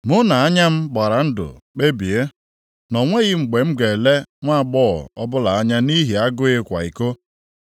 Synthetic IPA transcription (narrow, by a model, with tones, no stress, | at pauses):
mʊ˦na˨a˦ɲa˦m̩˦ɡ͡ba˨ɾa˨n̩˦dʊ̰˨k͡pe˦bi˨e˦ | nɔ˨ŋʷe˦ɣɪ˦ŋ͡m̩˨ɡ͡be˨ŋ͡m̩˦ɡe˨le˦ŋʷa˦˨ɡ͡bɔ˦˨ɔ˦bʊ˦la˨a˦ɲa˦ni˦ɦi˨a˦ɡʊ˦ɪ˦kʷa̰˨i˨ko˦